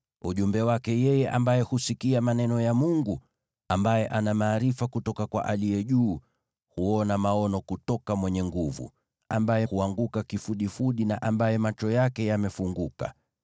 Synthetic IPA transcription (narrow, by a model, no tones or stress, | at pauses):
uʄumbɛwakɛjɛjɛʔa̰mbajɛhusikiamanɛnɔjamuŋɡu | ambajɛʔanamaːɾifakutɔkakwa̰ʔaliɛʄuː | huɔnamaɔnɔkutɔkamwɛɲɛŋɡuvṵ | ambajɛhuaŋɡukakifuɗifuɗinaʔambajɛmat͡ʃɔjakɛjamɛfuŋɡuka̰